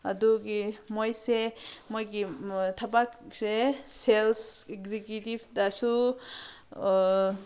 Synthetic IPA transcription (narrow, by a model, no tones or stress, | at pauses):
aduɡimojsemojɡitʰabakseselsekzikutibdasu